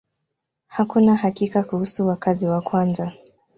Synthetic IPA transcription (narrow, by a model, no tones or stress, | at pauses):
hakunahakikakuhusuwakaziwakwanza